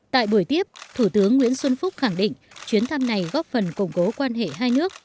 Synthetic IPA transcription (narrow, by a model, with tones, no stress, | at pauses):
t̪a̰ː˧˨jɓu˧˩əjt̪i˦˥əp̚t̪ʰu˧˩t̪ɨ˨˦əŋːwḭ˧˥ənswə˧nfʊ˦˥k͡p̚xa˧˩ŋɗḭ˧˨ŋ̟ | t͡ɕwi˨˦nt̪ʰa˧mna˨˩jɣɔ˦˥p̚fə˨˩nkʊ˨˩ŋ͡mko˨˦kwaː˧nɦḛ˧˨ɦaː˧jnɨ˦˥ək̚